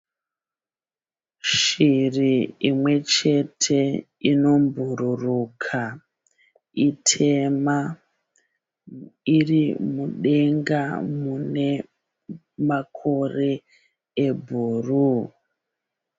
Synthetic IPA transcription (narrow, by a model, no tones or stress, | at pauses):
ʃiriimwe̞t͡ʃe̞tʰe̞ | ino̞mbʱururukʰa | itʰe̞ma | irimuɗe̞ŋɡamune̞ | makʰo̞re̞ | ebʱuːru